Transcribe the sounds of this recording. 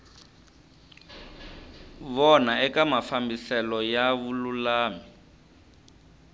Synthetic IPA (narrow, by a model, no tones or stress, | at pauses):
βɔnaɛkamafambisɛlɔjaβululaːmi